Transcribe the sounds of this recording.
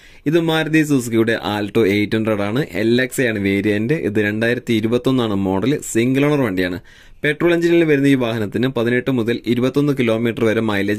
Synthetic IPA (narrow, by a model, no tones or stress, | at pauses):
iðɨmaːɾɐðiːs̬us̬kiuɽeʔaːlʈoːejʈːunɐɽaːɳɨʔḛlːeksejaːɳɨʋe̞ːɾijendeʔḭðɨɾe̞ɳɖaːjiɾɐt̪ːiiɾubɐt̪ːo̞nːaːɳɨmo̞ːɽɐlsiŋɡɨloːɳɐrʋe̞ːɳɖijaːɳɨ | pe̞ʈroːɭeɲd͡ʑinilʋɐɾunːɐiːʋaːhɐnɐt̪ːinɨpɐðine̞ʈːɨmuðɐliɾubɐt̪ːo̞nːɨkilo̞ːmiːʈːɐrɨʋɐɾumɐjlɐ